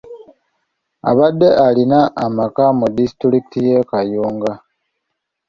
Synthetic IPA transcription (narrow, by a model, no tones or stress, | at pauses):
a̰βadːe̞ʔalinaʔːmakamudisi̥tuɾikitijekajuːŋɡa